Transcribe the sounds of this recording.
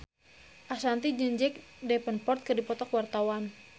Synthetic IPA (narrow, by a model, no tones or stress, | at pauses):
ʔasant̪id͡ʒəɲd͡ʒɛk̚dɛpənpɔrt̪̚kɨrdipɔt̪ɔkwart̪awan